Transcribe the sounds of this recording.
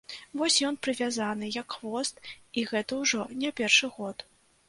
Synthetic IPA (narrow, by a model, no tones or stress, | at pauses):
vɔsʲjɔnpɾɨvʲazanɨjɐkxvɔst̪iɣɛt̪ɐwʐɔnʲapʲɛrʂɨɣɔt̪